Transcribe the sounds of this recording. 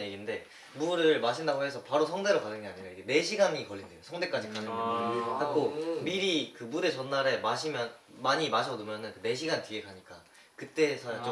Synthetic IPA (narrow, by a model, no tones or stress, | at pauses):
jeɡinde̞ | muɾɯɭmaɕ̬ʰindaɡoɦe̞sʰʌpaɾos̬ʰʌŋde̞ɾokadɯŋɡeaɲiɾaiɡe̞ne̞ɕʰiɡaŋikʌɭːindejosʰʌŋde̞k͈ad͡ʑikanɯkʰak͈ʰomiɾikɯbude̞t͡ɕʌnːaɾe̞maɕʰimjʌnmaɲimaɕʰʌnumjʌnɯnkɯne̞ɕ̬ʰiɡanteɡekaɲik͈a | kɯt͈e̞ːsʰʌjat͡ɕ